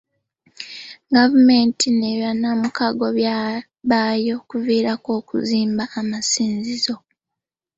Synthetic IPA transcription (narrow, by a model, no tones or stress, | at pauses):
ɡavume̞ːntineβanːamukaɡo̞βja | βaːjo̞kuviːɾako̞ːkṵziːmbaʔːmasiːnzizo̞